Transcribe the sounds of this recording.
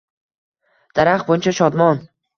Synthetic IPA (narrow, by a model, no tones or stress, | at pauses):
d̪̥aɾaχbojɪnt͡ʃʰaʃɒd̪mɒn